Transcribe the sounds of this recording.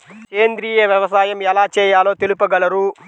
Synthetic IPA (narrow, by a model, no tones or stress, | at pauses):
ke̞ːnd̪ɾiːjeːʋjɐʋɐsaːjɐmɛlaːt͡ʃɛːjaːlo̞ːt̪elupɐɡɐlɐɾu